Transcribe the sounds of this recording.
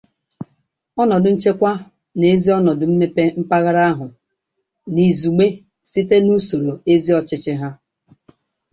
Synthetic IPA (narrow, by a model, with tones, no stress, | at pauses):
ɔ˦nɔ˨dʊ˨n̩˦t͡ʃe˦kʷa˦ | ne˦zi˦ɔ˦nɔ˨dʊ˨m̩˦me˦pe˦m̩˦pa˦ɣa˦ɾa˦a˦ɦʊ˨ | ni˨zu˨ɡ͡be˦ | si˦te˦nu˦so˨ɾo˨e˦zi˦ɔ˨t͡ʃɪ˦t͡ʃɪ˦ɦa˦